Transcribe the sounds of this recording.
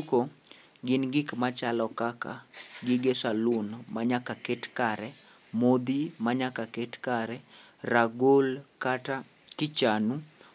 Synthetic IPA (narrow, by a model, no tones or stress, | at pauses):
uko | ɡɪnɡɪkmat͡ʃalɔkaka̰ɡɪɡesalʊnmaɲakaketkaɾɛ | mod̪imaɲakaketkaɾɛ | raɡolkata | kɪt͡ʃanu